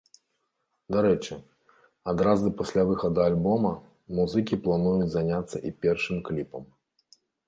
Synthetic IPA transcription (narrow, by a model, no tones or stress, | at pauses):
d̪aɾɛt͡ʂɨ | ad̪ɾazɨpasʲlʲavɨxɐd̪ɐalʲbɔmɐ | muzɨkʲiplˠanujut͡sʲzanʲat̪sːɐʔipʲɛrʂɨmklʲipɐm